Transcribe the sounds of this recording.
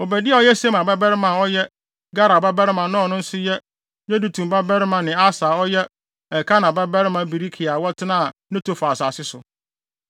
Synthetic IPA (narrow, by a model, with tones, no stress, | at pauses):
o˨bæ˨dɪ˦a˦ɔ˦jɛ˦se˦mã˨bɛ˦bɛ˦ɾɪ˦mã˨ɔ˦jɛ˦ | ɡa˦ɾa˨ba˦bɛ˦ɾɪ˦mã˨nã˦ɔ˨nʊ̃˦n̩˦sʊ˦jɛ˦ | ɲɛ̃˦du˨tʰũ˨mba˦bɛ˦ɾɪ˦mã˨nɪ̃˨a˦saː˨ɔ˦jɛ˦ | ɛ˨kʰa˦nã˨bɛ˦bɛ˦ɾɪ˦mã˨bi˨ɾi˦kʰi˨a˨wɔ˦tʰɪ˦nã˦a˨nɪ̃˦tʰo˨fa˨saː˨sɪ˦sʊ˨